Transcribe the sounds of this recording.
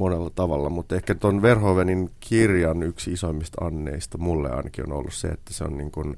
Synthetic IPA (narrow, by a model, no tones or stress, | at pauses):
monelːɑt̪ɑʋɑlːɑmut̪ːehkæt̪onʋerɦoʋeninkʰirjɑnyksiisoimːist̪ɑ̰nːḛist̪ɑmulːḛɑ̰inɑkiono̰lːussḛḛt̪ːæseo̰nniːŋkun